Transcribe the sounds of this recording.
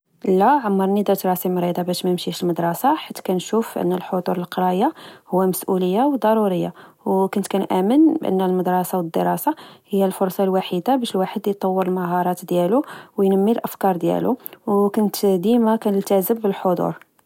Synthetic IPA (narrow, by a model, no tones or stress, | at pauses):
lːæʕamːɑɾˤnid̪ɑt̪ɾˤɑsimɾid̪ˤɑbæʃmæjmʃiʃəlməd̪ɾˤɑsɑħit̪ːkænʃufʔə̰nːəlħod̪ˤuɾˤəlqɑɾˤɑjahʊwːæməsʔuləjːawd̪ˤɑɾˤuɾəjːawkʊnt̪kænʔæmənbʔə̰nːəlməd̪ɾˤɑsawəd̪ːə̰ɾˤɑsɑhəjːælfʊɾˤsˤɑlwaħid̪abæʃəlwaħəd̪jt̪ˤːɑwːəɾəlməɦɑɾˤɑt̪d̪jæluwjnəmːilʔəfkɑɾˤd̪jæ̰lṵwkʊnt̪d̪imækænəlt̪æzəbbəlħod̪ˤṵɾˤ